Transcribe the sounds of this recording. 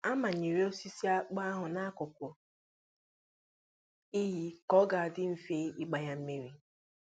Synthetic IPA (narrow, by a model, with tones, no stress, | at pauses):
a˦ma˨ɲe˨ɾe˦o˦si˦si˦a˦k͡pa˦a˦ɦʊ˨na˦a˦kʊ˨kʷʊ˨ | i˦ɦi˦kɔ˦ɡa˨a˨dɪ˦m̩˦fe˦i˦ɡ͡ba˨ja˦m̩˦me˦ɾi˦